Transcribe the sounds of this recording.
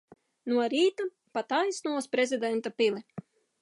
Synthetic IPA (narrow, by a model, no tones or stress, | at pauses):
nuɔɾiːt̪u | pat̪ajsnuɔspɾezid̪ɛnt̪apilˠi